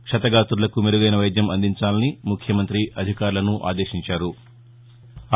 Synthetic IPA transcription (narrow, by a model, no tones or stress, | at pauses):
kʂɐt̪ɐɡaːt̪uɾlɐkumeɾuɡɐjnɐʋɐjd̪jɐmɐnd̪iɲt͡ʃaːlɐnimukʰjɐmɐnt̪ɾiʔɐd̪ʱikaːɾlɐnuʔa̰ːd̪e̞ːʃiɲt͡ʃaːɾu